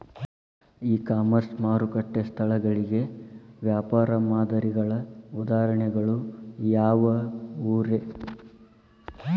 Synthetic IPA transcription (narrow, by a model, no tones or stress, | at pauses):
iːkaːmɐɾsmaːɾukɐʈːest̪ʰɐɭɐɡɐɭiɡe̞ʋjaːpaːɾɐmaːd̪ɐɾiɡɐɭɐud̪aːɦɾɐɳɛɡɐɭujaːʋɐuːɾe